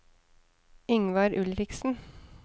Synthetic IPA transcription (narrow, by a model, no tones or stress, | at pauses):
ɪŋʋɑɾʔʉlɾɪksn̩